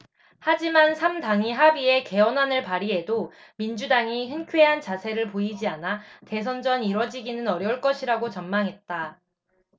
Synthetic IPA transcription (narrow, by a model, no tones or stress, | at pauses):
had͡ʑimansʰamdaŋiɦabie̞ke̞ʌnɦanɯɭpaɾie̞domind͡ʑudaŋiçɯnkʰwe̞ɦant͡ɕasʰe̞ɾɯɭpoid͡ʑianate̞s̬ʰʌnd͡ʑʌniɾʌd͡ʑiɡinɯnʌɾjʌuɭk͈ʌɕʰiɾaɡot͡ɕʌmmaŋɦe̞t̚t͈a